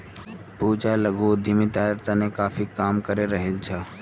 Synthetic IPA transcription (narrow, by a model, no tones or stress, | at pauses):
puːd͡ʒalɐɡud̪ʱimĩt̪aːɾt̪anẽkaːfikaːmkəɾeɾɐɦɪlt͡ʃʰaː